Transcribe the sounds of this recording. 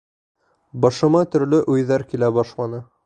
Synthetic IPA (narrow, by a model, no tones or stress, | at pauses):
bɑʃɤ̆mɑt̪ɵ̆ɾlɵʔʉjðæɾkilæbɑʃlˠɑnɤ